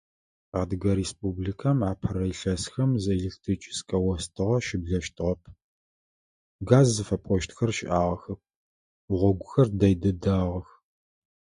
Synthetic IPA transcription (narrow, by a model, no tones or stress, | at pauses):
aːdɨɡɐɾespʼublikʰamʕaːpʰɐɾɐjɬɐsxɐmzɨeɮek̚tʰrit͡ʃʼɪ̥skʼɐwɔstʰɨʁɐʃɪbɮɐʃtʰɨʁɐpʰ | ɡaːzːɨfɐpʼɔʃtʰxɐrʃʔaːʁɐxɐp̚ʷ | ʁʷɔɡʷʊxɐrdɐjdɐdaːʁɐx